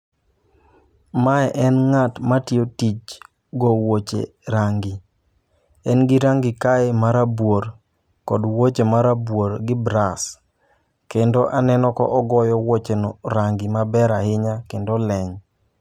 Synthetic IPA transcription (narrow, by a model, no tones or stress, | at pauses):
maɛʔɛnŋatmatiotit͡ʃ | ɡɔwot͡ʃḛɾaŋɡi | ɛnɡɪɾaŋɡɪkaemaɾabwoɾ | kɔdwot͡ʃemaɾabwoɾɡɪbɾas | kendoʔanɛnɔkɔ̰ʔɔɡɔjɔwot͡ʃenɔɾaŋɡimabɛɾahɪɲakendolɛɲ